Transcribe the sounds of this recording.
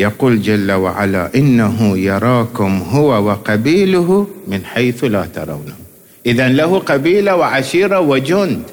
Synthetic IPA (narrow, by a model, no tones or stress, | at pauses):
jaquːld͡ʒalːawa̰ʕa̰la̰ʔɪnːaɦʊjɑɾˤɑːkʊmɦʊwawɪqɑbiːlʊhmɪnħajθlaːt̪ɑ̰ɾˤɑ̰wnah | ʔɪðanlahʊqabiːlawɪʕaʃiːɾˤawɪd͡ʒʊnd̪